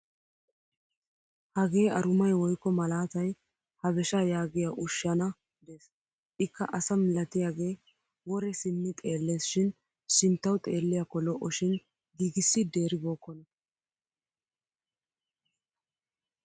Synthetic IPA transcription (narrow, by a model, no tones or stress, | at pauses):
hɐɡe̞ːɐɾʊmɐjwɔjkːɔmɐlaːt̪ɐj | hɐβɛʃajaːɡɪjaʔʊʃːɐnɐ | d̪eːs | ʔɪkːɐʔɐsɐmɪlɐt̪ɪjaːɡe̞ː | wɔɾɛsɪnːɪt̪ʼe̞ːlːe̞ːsʃɪn | ʃɪnt̪ːɐwt̪ʼe̞ːlːɪjakːɔlɔʔːɔʃɪn | ɡiːɡɪsːɪd̪e̞ːɾɪbɔːkːɔnɐ